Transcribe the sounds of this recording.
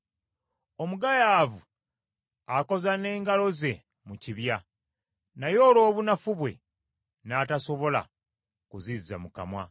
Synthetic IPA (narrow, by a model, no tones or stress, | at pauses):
omuɡajaːvu | ako̞zane̞ːŋɡalo̞ze̞ | muciβja | najo̞ːlo̞ːβunafuβwe̞̰ | nataso̞βo̞la̰ | kuziza̰muka̰mwa̰